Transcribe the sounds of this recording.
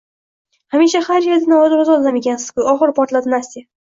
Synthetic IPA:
hamiʃahaɾjeld̪anaɒzɾɒzɒd̪lameɡʲansɪ̥z̥kʰʊjɒʁɨɾpʰɒɾt̪lˠad̪ɪnasʲt̪ija

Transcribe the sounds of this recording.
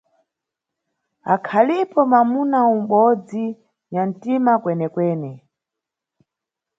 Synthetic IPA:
akʰalipɔmamunaum̩ɓɔd͡zi | jan̩timakwɛnɛkwɛːnɛ

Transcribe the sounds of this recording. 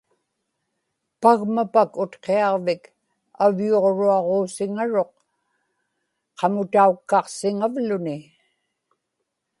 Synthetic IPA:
paɣmapakʊt̪qeɑʁvɪk | avjoʁɻuɑʁoːsɪŋaɻo̞q̚ | qʰɑmʊt̪aukːɑqsɪŋavlʊnɪ

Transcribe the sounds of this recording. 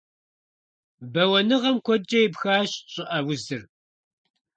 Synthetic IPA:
bɐwɐnɨʁɐmkʷʰɔd͡ʒʼɐjɪpxaːʃɕʼɪʔɐwʊzɨr

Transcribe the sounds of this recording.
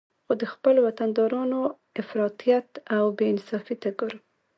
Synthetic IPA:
xod̪əxpəlowat̪and̪ɑɾɑno | ɪfɾɑt̪ijat̪awbeɪnsɑfit̪aɡɑɾu

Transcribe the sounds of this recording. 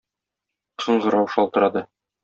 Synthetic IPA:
qʰɤ̆ɴʁɤ̆ɾɑwʃɒlˠt̪ɤ̆ɾɑd̪ɤ

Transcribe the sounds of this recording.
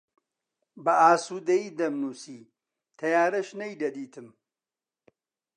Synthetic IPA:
bɐaːsud̪ɐid̪ɐmnusi | t̪ʰɐjaːɾɐʃnɐjɖɐd̪it̪ʰɨm

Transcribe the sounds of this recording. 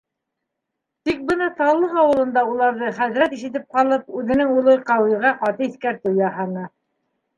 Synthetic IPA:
t̪ik̚bɤnɑt̪ɑlˠːɤqɑwɤ̆lˠɤ̆nd̪ɑulˠɑɾðɤχæðɾæt̪iʃɘ̆t̪̬ɘp̚qɑlˠɤp̚ʉðɘ̆nɘŋulˠɤqɑwɤ̆jʁɑqɑt̪ɤiθkæɾt̪ɘwjɑhɑnɤ

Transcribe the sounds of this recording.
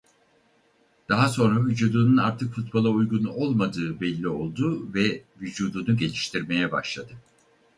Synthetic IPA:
d̪̥aɦaso̞nɾavyd͡ʒuːd̪ununaɾt̪ʰɯkfut̪̚bo̞lˠaujɡuno̞lˠmad̪ɯːbɛlʲːio̞lˠd̪uvɛvyd͡ʒuːd̪unuɟe̞lʲiʃt̪ʰiɾme̞jɛba̰ʃlˠad̪ɯ

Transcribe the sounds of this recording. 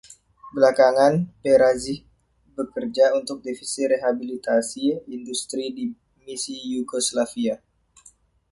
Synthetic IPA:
bəlakaŋanpeɾazɪh | bəkərd͡ʒaunt̪ʊk̚defisiɾeɦabilit̪asiindust̪ɾidi | misijuɡɔslafia

